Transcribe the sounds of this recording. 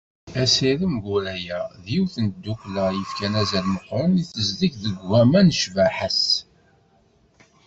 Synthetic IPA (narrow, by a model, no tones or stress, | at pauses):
æsiɾəmɡuɾæjæðiwθən̚d̪ːuklæjəfkænæzəlməqːəniθəzd̪içðəɡːæmænəʃvæħəs